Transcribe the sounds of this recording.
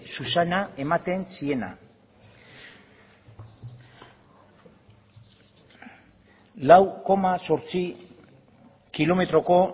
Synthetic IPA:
susanae̞mat̪e̞nsie̞na̰ | lawko̞maso̞ɾt͡si | kilo̞me̞t̪ɾo̞ko̞

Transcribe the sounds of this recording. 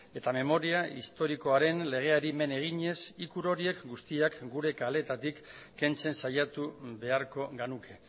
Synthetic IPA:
e̞t̪ame̞mo̞ɾiaist̪o̞ɾiko̞aɾe̞nle̞ɣ̞e̞aɾime̞ne̞ɣ̞iɲe̞sikuɾo̞ɾie̞kɡust̪iakɡuɾe̞kale̞t̪at̪ikː | e̞nt͡se̞nsajat̪uβe̞aɾko̞ɣenukʰe̞

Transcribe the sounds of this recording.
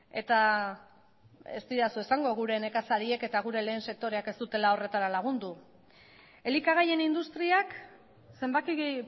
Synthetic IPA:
e̞̰t̪a | ḛst̪iɾasue̞saŋɡo̞ɣ̞uɾe̞ne̞kasaɾie̞ke̞t̪aɣ̞uɾe̞le̞ːnse̞k̚t̪o̞ɾe̞ake̞st̪ut̪e̞lao̞re̞t̪aɾalaɣ̞und̪u | e̞likaɣ̞aje̞nind̪ust̪ɾiak | se̞mbaki

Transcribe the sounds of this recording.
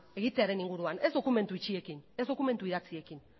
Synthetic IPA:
e̞ɣit̪eaɾe̞niŋɡuɾuane̞zðo̞kume̞nt̪uit͡ʃie̞kine̞zðo̞kume̞nt̪uiðat͡sie̞kin

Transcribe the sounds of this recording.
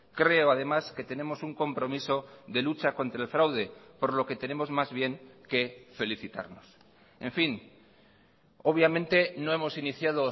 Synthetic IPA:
kɾe̞oaðe̞maske̞t̪e̞ne̞mo̞suŋko̞mpɾo̞miso̞ðe̞lut͡ʃako̞nt̪ɾaelfɾawð̞e̞po̞ɾlo̞ket̪e̞ne̞mo̞zmazβje̞ŋke̞fe̞liθit̪a̰ɾno̞s | e̞ɱfiŋ | oβjamẽ̞nt̪e̞no̞emo̞siniθjaðo̞

